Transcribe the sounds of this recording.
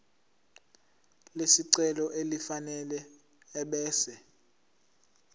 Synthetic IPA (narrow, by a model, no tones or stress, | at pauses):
lesiǀɛlɔʔelifanɛlɛː | ɓɛːsɛ